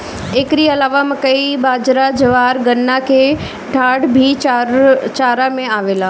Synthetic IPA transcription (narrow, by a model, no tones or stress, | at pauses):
eːkɾiɐlaːʋamə̃kɐibaːd͡ʒɾad͡ʒɐʋaːɾɡɐnːakʰeː | ɖʱaːɽbʱi | t͡ʃaːɾamẽaːʋeːlaː